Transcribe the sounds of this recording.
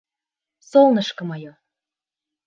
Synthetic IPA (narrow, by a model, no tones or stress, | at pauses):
solnɤʃkɤ̆mɑjo